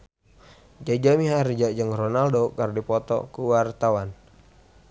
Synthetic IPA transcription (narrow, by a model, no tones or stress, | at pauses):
d͡ʒad͡ʒamiɦaɾd͡ʒaʔd͡ʒəŋrɔnaldokərdipɔt̪ɔ̰kuwart̪awan